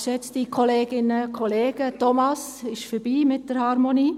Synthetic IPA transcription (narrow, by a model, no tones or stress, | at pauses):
ʃɛt͡stikʰoleːɡ̥ɪnəkʰoleːɡ̥ətomɑs | ɪʃfəɾb̥iːmɪt̚d̥əɾhɑɾmoniː